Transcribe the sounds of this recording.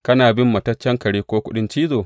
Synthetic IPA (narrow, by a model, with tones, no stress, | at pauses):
kɐ˦naː˨bɪ˦mːɐ˨tɐ˦t͡ʃːɐ˦ŋkɐ˨ɽiː˦kʷoː˦kʷʊ˦ɗɪ˦nt͡ʃiː˦zoː˨